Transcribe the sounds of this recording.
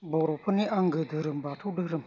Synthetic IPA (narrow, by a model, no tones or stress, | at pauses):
boɾopʰəniʔaŋɡəd̪əɾəmbaʈ͡ʂʰoɖ͡ʐərəm